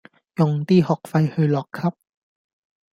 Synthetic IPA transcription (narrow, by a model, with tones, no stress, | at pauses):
jʊ˨ŋt̪iː˥hɔː˨˩k̚fɐ˧jhɵ˧ɥlɔː˨kʰːɐ˥p̚